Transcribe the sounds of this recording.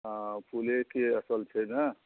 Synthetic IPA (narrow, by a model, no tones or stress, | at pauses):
pʰulekeəsəlt͡ʃʰəna